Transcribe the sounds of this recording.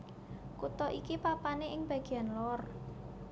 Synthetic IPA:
kut̪ɔʔikipapaneʔɪŋb̥a̤ɡ̥ianlɔr

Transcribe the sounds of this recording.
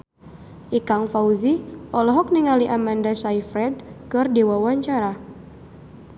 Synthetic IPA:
ʔikaŋfauziʔɔlɔɦɔk̚niŋaliʔamandasaifɾɛd̚kɨrdewawaɲt͡ʃaɾa

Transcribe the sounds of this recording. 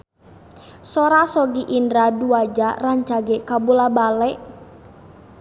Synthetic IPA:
sɔɾasɔɡiʔindɾaduad͡ʒaraɲt͡ʃaɡɛkabulabalɛʔ

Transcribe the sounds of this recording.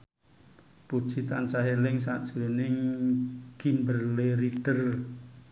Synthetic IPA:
pud̥ʒ̥i̤t̪ant͡ʃaɦelɪŋsa̰ʔd̥ʒ̥əɾunɪŋ | ɡ̥imbərleɾiɖ̥ər

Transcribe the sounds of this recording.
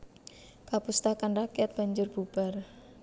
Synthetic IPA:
kapust̪akanrakiat̪̚b̥a̤ɲd͡ʒʊrb̥ub̥a̤r

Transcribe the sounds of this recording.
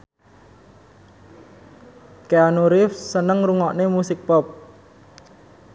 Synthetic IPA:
keanuɾɪfsənəŋruŋɔʔnemusɪk̚pɔp̚

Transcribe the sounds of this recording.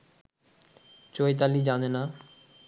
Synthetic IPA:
t͡ɕoet̪̬alid͡ʑanena

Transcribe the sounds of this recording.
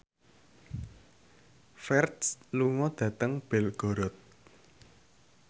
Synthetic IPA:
fɛrtsluŋɔd̪̥ä̤t̪əŋb̥elɡ̥o̤ɾɔt̪̚

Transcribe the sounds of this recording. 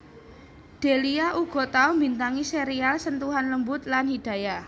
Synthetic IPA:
d̥e̤liaʔuɡ̥ɔ̤t̪aumbint̪aŋiseɾialsənt̪uɦanləmbʊt̪̚lanhid̥a̤ja

